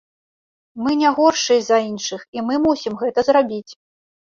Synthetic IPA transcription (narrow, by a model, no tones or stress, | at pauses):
mɨnʲaɣɔrʂɨzɐinʂɨximɨmusʲimɣɛt̪ɐzrabʲit͡sʲ